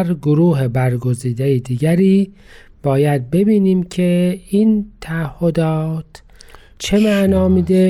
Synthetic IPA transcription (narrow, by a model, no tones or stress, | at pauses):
ɾɡoɾuːɦebæɾɡoziːd̪ejed̪iːɡæɾiː | b̥ɒːjæd̪̚be̞biːniːmcʰe̞iːnt̪ʰæːhːod̪ɒːt̪ʰ | t͡ʃʰe̞mæʔnɒːmiːd̪e